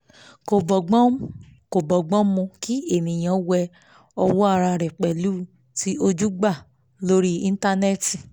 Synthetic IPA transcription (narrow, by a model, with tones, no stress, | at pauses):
ko˨bɔ˨ɡ͡bɔ̃˦ko˨bɔ˨ɡ͡bɔ̃˦mũ˧ki˦e˦˨nĩ˨j̃ã˨˦wɛ˧ | ɔ˧wɔ˦a˦˧ɾa˧ɾɛ˨k͡pɛ˨lu˦ | ti˦ʔo˧d͡ʒu˦ɡ͡ba˦˨ | lo˦ɾi˦i˧n˦ta˧nɛ˦˨ti˨